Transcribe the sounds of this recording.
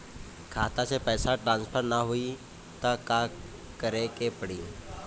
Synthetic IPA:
kʰaːt̪at͡sepəjsaʈɾãnspʰəɾnaɦui | t̪əka | kəɾekepəɽiː

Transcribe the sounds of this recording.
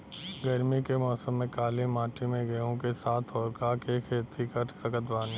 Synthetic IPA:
ɡɐɾmikemɔːsəmːẽkaːlemaːʈimẽɡɐjõkesaːt̪ʰɔːɾkakekʰeːt̪ʰikɐɾsɐkət̪baːni

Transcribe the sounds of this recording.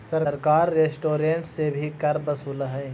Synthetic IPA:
sɐɾɾkaːɾːeːsʈoːɾẽːɳʈsebʱikɐɾbɐsuːləɦɛː

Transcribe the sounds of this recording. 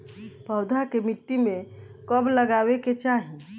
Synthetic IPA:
bʱəʊd̪ʱakemiʈːimẽ | kəbləɡaːweket͡ʃaɦi

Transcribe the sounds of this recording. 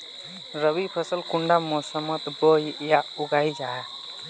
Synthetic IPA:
ɾəbipʰəsəlkuɳɖamɔsəmət̪bojjauɡajd͡ʒaɦɛ

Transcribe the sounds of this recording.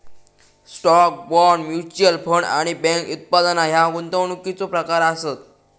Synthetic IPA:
sʈɔk̚bɔɾɳmjut͡ɕəlfʰəɳɖa̰ɽ̃ibɛ̃ŋkut̪̚pad̪naɦjaɡunt̪əʋɳ̃ukːit͡sopɾəkaɾasət̪̚

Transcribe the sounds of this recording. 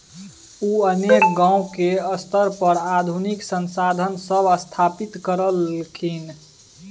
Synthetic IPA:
uənek̚ɡãːũkeəst̪ʰəɾpəɾad̪ʱuniksənsad̪ʱənsəbʱəst̪ʰapit̪kəɾəlkʰin

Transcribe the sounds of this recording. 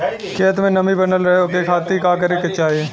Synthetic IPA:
kʰeːt̪̬mẽnɐmibɐnəlɾɐɦeoːkekʰaːt̪ːikaːk̬əɾekɐt͡ʃaːeː

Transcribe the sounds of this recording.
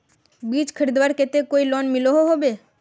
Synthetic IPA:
biːt͡ʃkʰəɾiːd̪ʋaːɾkeːt̪ekoːilɔːnmɪloɦoɦoːbeː

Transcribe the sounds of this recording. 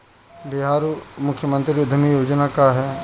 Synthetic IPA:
bɪɦaːɾumʊkʰjəmə̃nt̪ɾiʊd̪ʱəmijoːd͡ʒnakaɦɛː

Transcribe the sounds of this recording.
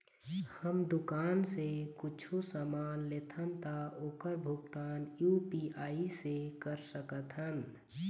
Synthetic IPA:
həmd̪ʊkaːnsekʊt͡ʃʰusaːmaːnleːt̪ʰənt̪aoːkəɾbʱʊɡt̪aːnjuːpiaːisekəɾsəkət̪ɦən

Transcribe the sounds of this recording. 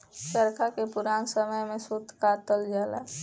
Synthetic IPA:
səɾkʰakepʊɾaːnsəməjmẽsut̪kat̪əld͡ʒaːla̰

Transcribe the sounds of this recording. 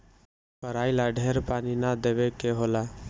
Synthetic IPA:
kəɾailaɖʱeɾpaninad̪ebekeɦola

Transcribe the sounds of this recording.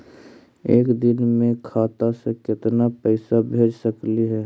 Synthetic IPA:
eːkd̪ɪnmẽkʰaːt̪asekɪt̪napɛɪsabʱeːd͡ʒsəkliɦɛː

